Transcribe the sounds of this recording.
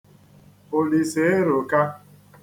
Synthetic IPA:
o˨li˨se˨˦ɾo˨ka˦

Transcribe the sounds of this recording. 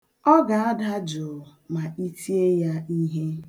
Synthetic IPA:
ɔ˦ɡa˨a˦da˦d͡ʒʊ˨ma˨ʔi˦ti˦e˦ja˦i˦ɦe˦

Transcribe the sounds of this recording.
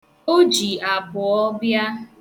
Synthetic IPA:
o˦d͡ʒi˨a˨bʊ˨ɔ˦bja˦

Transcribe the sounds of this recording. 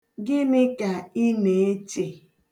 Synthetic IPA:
ɡɪ˦mɪ˦ka˨i˦ne˨e˦t͡ʃe˨

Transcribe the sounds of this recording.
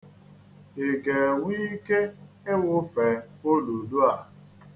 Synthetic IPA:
e˨ɡe˨wiː˦ke˦ | e˦wʊ˦fe˨o˦lu˨du˦a˨

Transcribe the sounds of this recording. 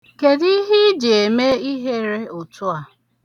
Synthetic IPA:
ke˨di˦ɦi˦d͡ʒi˨e˨me˦i˦ɦe˦ɾe˦ʊ˨tʰʊ˦a˨

